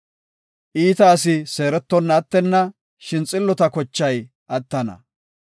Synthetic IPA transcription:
ʔiːt̪ɐːsɪse̞ːɾɛt̪ːɔnːɐt̪ːɛnːɐ | ʃɪnt͡sʼɪlːɔt̪ɐkɔt͡ʃːɐj | ʔɐt̪ːɐnɐ̰

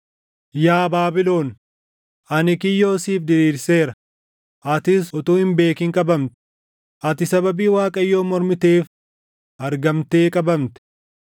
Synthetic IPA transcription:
jaːbaːbɪlo̞ːn | ʔɐnɪkɪjːo̞ːsiːfd̪ɪɾiːɾse̞ːɾɐ | ʔɐt̪ɪsɔt̪uːhɪmbe̞ːkɪŋkʼɐbɐmt̪ɛ̥ | ʔɐt̪ɪsɐbɐbiːwaːkʼɐjːo̞ːmɔɾmɪt̪e̞ːf | ʔɐɾɡɐmt̪eːkʼɐbɐmt̪ɛ̥

